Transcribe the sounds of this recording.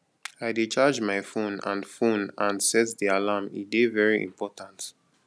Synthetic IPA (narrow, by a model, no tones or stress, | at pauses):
aɪdit͡ʃad͡ʒmaɪfõnã̰nfõnãnsɛtdialamḭdevɛɹiʔḭ̃mpʰɔtʰãnt